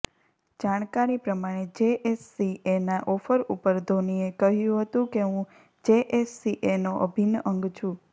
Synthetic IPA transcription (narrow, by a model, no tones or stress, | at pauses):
d͡ʒaɽ̃kaɾipɾəmaɽ̃ed͡ʒeʔesːienaʔɔfəɾupəɾd̪ʱoniekəɦjũɦət̪ũkeɦũ | d͡ʒeʔesːiʔenoʔəbʱinəŋɡt͡ʃʰũ